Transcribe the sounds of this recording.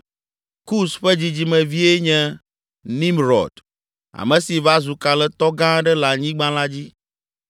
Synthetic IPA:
ku˦sɸɛ˦d͡ʑi˦d͡ʑi˦mɛ̃˨vi˦e˦ɲɛ̃˦ | nĩ˦mɾɔ̰˨d | a̰˨mɛ̃˨si˨va˦zu˨ka˨lɛ˦t̪ɔ˦ɡã˦ɖɛ˦la˨ɲĩ˦ɡ͡bã˦la˦d͡ʑi˦

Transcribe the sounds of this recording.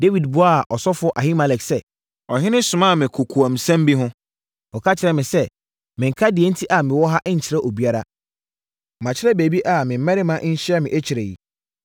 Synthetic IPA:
de˦wi˨dbʊ˦a˦˨ʔɔ˨sɔ˦fʊ˦ɔ˦ʔa˨ɦĩ˦ma˨lɛ˨ksɛ˦ | ɔ˨ɦɪ̃˦nɪ̃˦sʊ̃˨mã˦˨mɪ̃˨kʰʊ˨kʰu˨ã˨m̩˨sã˦m˦bi˦ɦʊ̃˦ | ɔ˨kʰa˦t͡ɕʰɪ˨ɾɛ˨mɪ̃˨sɛ˦ | mɪ̃˨ŋ̩˨kʰa˦dɪ˨ɛ˦n̩˦tʰi˦ʔa˨mɪ̃˨wɔ˦ɦa˦ʔɲ̩˨t͡ɕʰɪ˨ɾɛ˦ʔo˨bi˦a˦ɾa˦ | mã˨t͡ɕʰɪ˦ɾɛ˦be˨bi˦ʔa˨mɪ̃˨m̩˦mɛ̃˦ɾɪ˦mã˦ʔɲ̩˦ɕɪ˦ɛ˦mɪ̃˨ʔæ˦t͡ɕʰɪ˨ɾe˨jḭ˨

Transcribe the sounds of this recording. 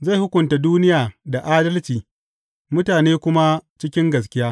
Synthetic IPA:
za˦˨hʊ˦kʷʊ˨nta˨duː˦nɪ˦jaː˨da˨ʔaː˦dɐ˦lt͡ʃiː˨ | mʊ˦taː˨neː˦kʷʊ˦ma˦t͡ʃɪ˦kʲɪ˦ŋɡɐ˨s̬kʲɪ˦jaː˦

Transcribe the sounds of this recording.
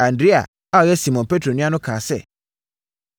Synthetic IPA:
ã˨ndɾe˦a̰˨ | a˦ɔ˨jɛ˦si˨mɔ̃˨n˨pe˦tʰɾo˨nĩ˦a˦nʊ̃˦kʰãː˨sɛ̰˦

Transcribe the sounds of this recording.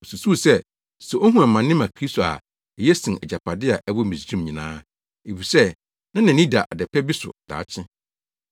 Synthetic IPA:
o˨su˨su˦˨sɛ˦ | sʊ˨ʔo˦ɦũ˦ã˨mːã˨nːɪ̃˦mã˨kʰɾi˦sto˨a̰˨ | ɛ˨jɛ˦sɪ̃˨ɛ̰˨d͡ʑa˨pʰa˨dɪ˦a˨ʔɛ˦wɔ˦mĩ˨sĩ˦˨mɲĩ˨nãː˦ | e˨fi˨sɛ˦ | nã˦nã˨nĩ˦da˨ʔa˨dɛ˨pʰɛ˦bi˦sʊ̰˨d̥a̰ː˨t͡ɕʰɪ̃˦

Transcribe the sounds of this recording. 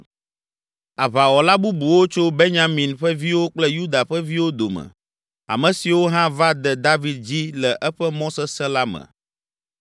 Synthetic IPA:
a˨βa˨wɔ˨la˦bu˦bu˨wo˦t͡ʃo˦be˦ɲã˨mĩ˨nɸɛ˦vi˦wo˦k͡plɛ˦ju˦d̪a˨ɸɛ˦vi˦wo˦d̪o˨mɛ̰̃˨ | a̰˨mɛ̃˨si˨wo˦ɦã˦va˦d̪ɛ˨d̪a˦vi˨d̪̚d͡ʑi˦lɛ˨ʔɛ˦ɸɛ˦mɔ̃˦sɛ˦sɛ̃˦la˦mɛ̰̃˨

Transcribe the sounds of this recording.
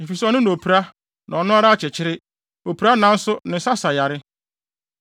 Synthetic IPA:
m̩˨fi˨sɔ˦nʊ̃˦ñ˨o˨pʰi˨ɾa˦ | nã˨ɔ˨nʊ̃˦a˦ɾa˦a˨t͡ɕʰɪ˨t͡ɕʰɪ˦ɾɪ˦ | o˨pʰu˨ɾa˦nã˨˦n̩˦sʊ˦nɪ̃˨˦sa˦sa˨ja˨ɾɪ˦

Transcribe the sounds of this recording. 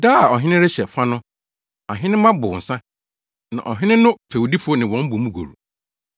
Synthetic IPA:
daː˦a˨ɔ˨ɦɪ̃˦nɪ̃˦ɾɪ˦ɕɛ˨fa˦nʊ̃˦ | a˨ɦɪ̃˦nɪ̃˦mã˦bʊ˨n̩˨sã˦ | nã̰˨ʔɔ̰˨ɦɪ̃˦nɪ̃˦nʊ̃˦pʰe˨wdi˦fu˦o˦nɪ̃˨wɔ̃˨˦m̩˦bo˨mũ˦ɡo̰˨ɾṵ˨

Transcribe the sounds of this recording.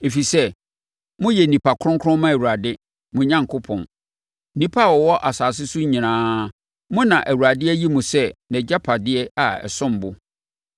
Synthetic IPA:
e˨fi˨sɛ˦ | mʊ̃˦jɛ˨nĩ˨pʰa˨kʰʊ̃˦kʰɾʊ̃˦mã˦æ˨wu˨ɾa˨dɪ˦ | mʊ̃˨ɲã˦ŋkʰʊ˦pʰɔ̰̃˨n˦ | nĩ˦pʰa˦˨wɔ˨wɔ˦ʔa˨saː˨s̬ɪ˦sʊ˦ɲĩ˨nãː˦ | mʊ̃˦nã˨ʔæ˨wu˨ɾa˨dɪ˦ɛ˦ji˦mũ˨sɛ˦nɛ̃˨d͡ʑa˦pʰa˨dɪ˦ɛ˦a˨ɛ̰˨sʊ̃˦m˨bʊ˨

